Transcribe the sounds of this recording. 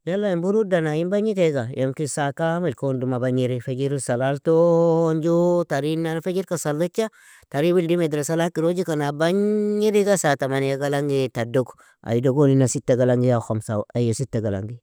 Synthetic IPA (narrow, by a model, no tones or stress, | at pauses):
jalːaimbuɾudanaimbaɲiteɡajemkisakamilkondumabaɲiɾifeɡiɾisalaltond͡ʒotaɾinafeɡiɾkasalːat͡ʃːa | taɾiwildimedɾesalakiɾod͡ʒikanabaɲːiɾiɡasatamanjaɡalaŋɡetadoɡ | a̰jidoɡoninasitːeɡalaŋɡijaxomsaajositːeɡala̰ŋɡi